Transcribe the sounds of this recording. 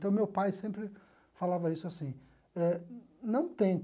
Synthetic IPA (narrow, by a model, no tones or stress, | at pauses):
t̪ɐ̃w̃mewpajsẽmpɾɪ | falavɐisʊasĩ | ɛ | nɐ̃w̃t̪ẽj̃